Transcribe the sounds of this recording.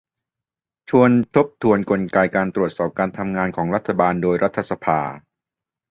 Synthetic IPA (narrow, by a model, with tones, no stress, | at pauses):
t͡ɕʰu˧ənt̪ʰo˦˥p̚t̪ʰu˧ənko˧nkaː˧jkaː˧nt̪ɾu˨˩ət̪̚sɔː˨˩p̚kaː˧nt̪ʰa˧mŋaː˧nkʰɔː˩˦ŋɾa˦˥t̪ʰːa˧baː˧ndoː˧jɾa˦˥t̪ʰːa˧sa˧pʰa̰ː˧